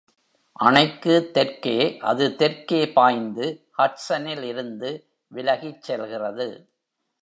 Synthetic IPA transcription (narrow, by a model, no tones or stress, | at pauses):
ʔɐɳɐɪkːɯt̪ːɛɾkeːʔɐ̰ðɯt̪ɛɾkeːpaːjnd̪ɯhɐʈsɐnɪlɪɾɯnd̪ɯ | ʋɪlɐɣit͡ʃːɛlɣɪrɐðɯ